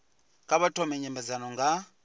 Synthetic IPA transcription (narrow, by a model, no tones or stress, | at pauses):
kʼaβatʰʼɔmɛɲɛmɛzanɔŋɡa